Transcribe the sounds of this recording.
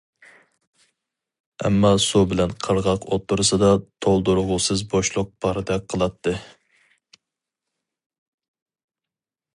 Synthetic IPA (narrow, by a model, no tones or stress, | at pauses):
ɛ̰mːɑsubɪlɛnqʰəɾʁɑqʰot̪ʰːuɾɨsɨd̪ɑt̪ʰolˠd̪uɾʊʁʊsɨzboʃlˠʊq̚pʰɑɾɨd̪ɛk̚ʲqʰəlˠɑt̪ʰːɨ